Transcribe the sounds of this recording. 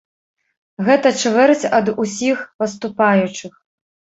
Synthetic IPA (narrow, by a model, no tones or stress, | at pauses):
ɣɛt̪ɐt͡ʂvɛrt͡sʲɐd̪usʲixpɐs̬t̪upajut͡ʂɨx